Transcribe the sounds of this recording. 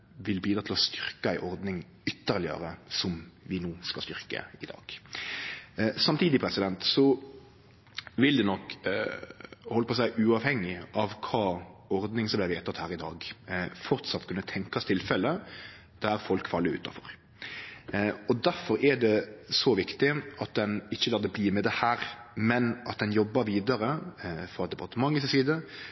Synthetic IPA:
ʋɪlbiːd̪ɾɑt̪ʰɪlɔst̪ʏɾkəæɪʔɔɾd̪nɪŋ | ʏt̪ːəʁlɪə̰ɾəsɔmʋɪnuːskɑst̪ʏɾkə̰ɪd̪ɑ̰ːɡ̥ | sɑmt̪ʰiːd̪ɪpʰɾɛsɪd̪ɛnt̪sɔ | ʋɪld̪ɛnɔkː | hɔlːəpɔs̬æɪʔʉːɑʋhɛŋːɪʔɑʋkʰɑːɔɾd̪nɪŋsɔmblæɪʋeːt̪ɑt̪hæːɾɪd̪ɑ̰ːɡfɔɾt̪sɑt̪ːkʰʉnːət̪ʰɛŋkɑst̪ʰɪlfɛlːə | d̪̥æɾfɔlkfɑlːəɾʉ̰ːt̪ɑ̰fɔ̰ɾ | ɔd̪æɾfɔɾɛɖɛsɔʋɪkt̪ɪɑt̪̚d̪ɛnɪçːəlɑːɾd̪əbliːmɛd̪ɛhæːɾmɛnʔɑt̪̚d̪ɛnjɔbːɑɾʋiːd̪əɾəfɔɾɑt̪d̪ɛbɑt̪ːmɑŋːəsɪsiːd̪ə

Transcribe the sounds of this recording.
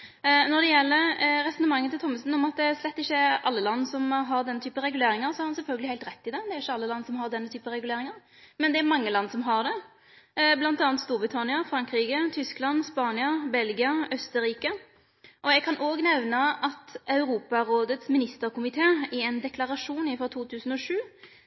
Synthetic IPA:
nɔd̪ɛjɛlːəɾɾɛsɔnəmɑŋːənt̪ɪlt̪ɔmːəsn̩ɔmɑt̪̚d̪ɛæslɛt̪ːɪçːəɾɑ̰lːəlɑnːsɔmɦɑɾd̪ɛnːət̪ʰyːpənɾɛɡʉleːɾɪŋəɾsɔhɑɾhɑnsɛlfœlɡəlɪhæɪlt̪ɾɛt̪ːɪd̪ɛd̪ɛæɾɪçːəɑlːəlɑnːsɔmɦɑʁd̪ɛnːət̪ʰyːpəɾɛɡʉleːɾɪŋəɾ | mɛnd̪ɛæɾmɑŋːəlɑnːsɔmɦɑʁd̪ɛ | blɑnt̪ɑːnt̪st̪uːɾbʁɪt̪ʰɑnɪəfɾɑŋkɾiːɡət̪ʰʏsklɑnːspɑːnɪɑbɛlɡɪɑœst̪əɾiːkə | ʔɔɛɡkʰɑnʔoːɡnɛʋnɑʔɑt̪ʔɑʉɾuːpɑɾoːd̪ət̪smɪnɪst̪əɾkʊmɪt̪ʰeːɪɛnd̪ɛklɑɾɑʂuːnɪfɔʁt̪ʰuːt̪ʰʉːsən̩ɔʂʉː

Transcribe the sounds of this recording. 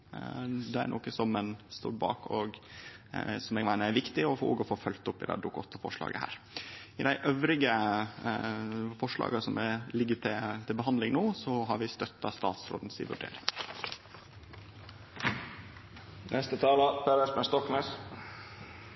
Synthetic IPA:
d̪ɛæ̰ɾɳʔoːkəsɔmːɛnst̪o̰ːɾbɑ̰ːkɔ̰ɡ | sɔmɛːɡmæɪnəæɾʋɪkt̪ɪɔfːo̰ːɡɔfoːfœlt̪ʊpːɪd̪æ̰d̪ʊkɔt̪ːɑfɔ̰ʂɭɑ̰ːɡəhæ̰ːɾ | ɪd̪æɪʔøːʋɾɪɡə | fɔʂɭɑ̰ːɡɑsɔmɛlɪɡːəʈʰɪt̪ʰɪlbəɦɑnd̪lɪŋnoːsɔɦɑɾʋɪst̪œt̪ːɑst̪ɑːt̪sɾo̰ːd̪n̩sɪ̰ʋʉ̰ɖḛːɾɪŋ | nʔɛst̪ət̪ʰɑːlɑpʰeɾəsbəst̪ɔknɛs

